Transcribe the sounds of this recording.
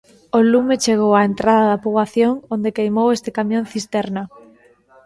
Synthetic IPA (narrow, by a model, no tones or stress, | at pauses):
olumet͡ʃeɣ̞owaent̪ɾaðaðɐpuβaθjoŋond̪ekejmowest̪ekamjõnθist̪ɛɾna